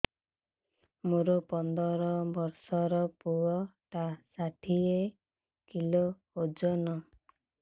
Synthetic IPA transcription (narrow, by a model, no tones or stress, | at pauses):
moɾopɔnd̪ɔɾɔbɔɾsɔɾɔpuɔʈasaʈʰie | kilo | od͡ʒɔnɔ